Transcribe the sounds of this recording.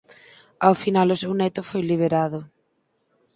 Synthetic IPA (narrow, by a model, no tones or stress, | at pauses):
awfinalʊsewnɛt̪ʊfojliβ̞eɾaðʊ